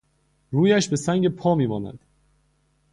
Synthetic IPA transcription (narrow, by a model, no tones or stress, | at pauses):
ɾuːjæʃbe̞sæŋɟe̞pʰɒːmiːmɒːnæ̰nd̪̥